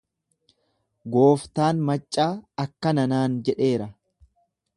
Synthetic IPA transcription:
ɡo̞ːft̪aːnmɐt͡ʃʼːaːɐkːɐnɐnaːnd͡ʒɛᶑe̞ːɾɐ

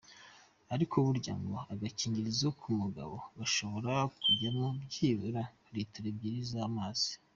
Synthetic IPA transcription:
aɾikʰoβuɾɟa̰ːŋɡo̞aɡaciːɲɟiɾizokʰumuɡa̰βo̞̰βaʃo̞βo̞ɾakuɟanabɟiːβuɾa | ɾitiɾeb̚ɟiːɾizaːmaːz̥i̥

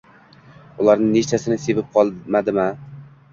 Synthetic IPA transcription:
ʊlˠaɾnɪŋne̞t͡ʃt̪ʰasɪnɪse̞vɪp̚qʰɒlˠmad̪ɪma

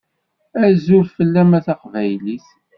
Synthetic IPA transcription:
æzʊɾfəlːæmæθɑqvæjlis

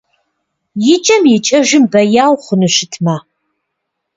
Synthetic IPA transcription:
jɪt͡ʃʼɐmjɪt͡ʃʼɐʒɪmbɐjaːwχʷʊnɨʃɪtʰma

